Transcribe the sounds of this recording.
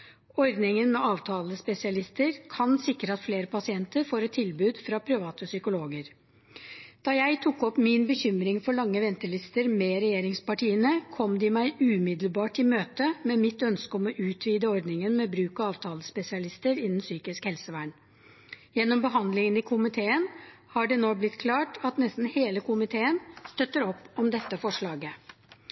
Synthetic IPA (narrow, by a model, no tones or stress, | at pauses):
ɔɾd̪nɪŋənmɛʔɑːʋt̪ʰɑːləspɛsɪɑlɪst̪əɾkʰɑnsɪkːɾəɑt̪fleːɾəpʰɑsɪɛnt̪əɾfoːɾɛt̪ʰːɪlbʉːd̪fɾɑpʰɾɪʋɑːt̪əsʏkʊloːɡəɾ | d̪̥ɑːjæɪt̪ʰʊkːɔpmɪnbəçʏmɾɪŋfɔɭɑŋːəʋɛnt̪əɭɪst̪əɾmɛɾɛjeːɾɪŋspɑʈiːənəkʰɔmd̪ɪmæɪʉːmɪd̪lbɑːʈɪmøːt̪əmɛmɪt̪ːœnskəɔmɔʔʉːt̪ʰʋiːd̪əɔɾd̪nɪŋənmɛbɾʉːkɑɑːʋt̪ʰɑːləspɛsɪɑlɪst̪əɾɪnːn̩syːkɪskhɛlsəʋæːɳ | jɛnːɔmbəɦɑnd̪lɪŋənɪkʰʊmɪt̪ʰeːən | hɑɖɛnoːblɪt̪ːkʰlɑːʈʰɑt̪nɛst̪n̩heːləkʰʊmɪt̪ʰeːənst̪œt̪ːəɾɔpːɔmd̪ɛt̪ːəfɔʂɭɑːɡə